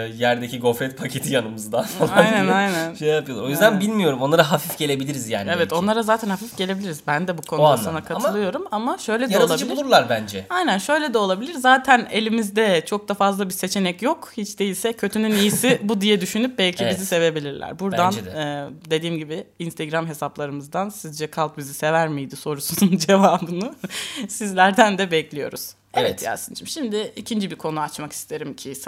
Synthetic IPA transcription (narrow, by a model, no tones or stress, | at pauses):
jæɾd̪eciɡo̞fɾɛt̪̚pʰacʰe̞t̪ʰijanɯmɯzɯd̪asolˠajnænajnænʃejjapɯjoɾo̞jyzd̪ænbilʲmijo̞ɾumo̞nˠaɾaɦafifɟe̞lʲe̞bilʲiɾizja̰ːnievɛt̪o̞nlˠaɾazaːt̪ʰænhafifɟe̞lʲe̞bilʲiɾizbænd̪ɛbukʰonaanakʰat̪ʰlˠɯjo̞ɾumamaʃø̞jlʲedjaɛɾalt̪ˠad͡ʒɯbulˠuɾlˠaɾbænd͡ʒɛajnænʃøjlʲed̪ɛo̞lˠabilʲiɾzaːt̪ʰæne̞lʲimizd̪ɛt͡ʃʰo̞k̚d̪afazlˠabiɾse̞t͡ʃʰenɛcjo̞khit͡ʃd̪e̞jilʲsɛcʰø̞t̪ʰynynijisibud̪ijɛd̪yʃynyp̚bɛlʲcʰibizise̞ve̞bilʲiɾlʲæ̰ɾbuɾanɯːd̪e̞d̪iːmɟibɪinst̪ʰeɡɾamɦe̞saplˠaɾɯmɯzd̪ansizd͡ʒɛkʰalˠp̚bizise̞væɾmijd̪iso̞ɾusunund͡ʒe̞vaːbɯnusizlʲæɾd̪ænd̪ɛbɛclʲijo̞̰ɾṵz̥ | evɛt̪ja̰sɯnt͡ʃʰimʃimd̪ɪicʰind͡ʒibiɾkʰo̞nuat͡ʃmaki̥st̪ʰeɾimcʰi